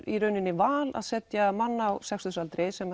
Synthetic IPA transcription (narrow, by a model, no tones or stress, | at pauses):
iɾœːɥnɪnːɪvaːla̰ðsɛt̪jamanːawsɛksusalt̪ɾejsɛma